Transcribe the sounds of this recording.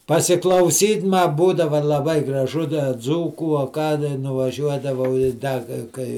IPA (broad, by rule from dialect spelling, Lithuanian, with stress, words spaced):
pɐsʲɪklˠɐʊˈsʲiːtʲ mɐ ˈbuːdɐʋɐ lˠɐˈbɐɪ ɡrɐˈʒʊ dɐ ˈd͡zuːkuː ɐ ˈkɑː dɐ nʊʋɐˈʒʲuɔdɐʋɐʊ ɪ ˈdɐ ɡɐ ˈkɐɪ